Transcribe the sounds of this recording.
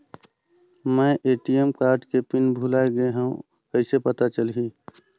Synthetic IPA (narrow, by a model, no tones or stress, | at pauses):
məɪʔeʈijemkaɾɖkepinbʱulaeɡəeɦũũ | əɪsepət̪at͡ʃəlɦĩ